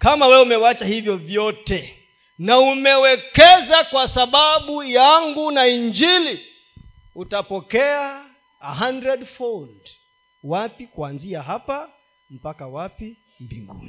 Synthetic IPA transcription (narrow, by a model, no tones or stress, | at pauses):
kamawɛumɛwat͡ʃahivjɔvjɔtɛ | naumɛwɛkɛzakwasaɓaɓujaŋɡunaiɲd͡ʒili | utapɔkɛaː | ɦandɾɛdfɔnd | wapikuanziaɦapa | m̩pakawapi | mbḭŋɡṵni